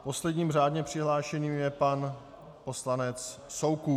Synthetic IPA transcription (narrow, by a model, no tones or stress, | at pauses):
po̞slɛdɲiːmr̝aːdɲɛpr̝̥ɪɦlaːʃɛɲiːmjɛpan | po̞slanɛt͡sso̞wku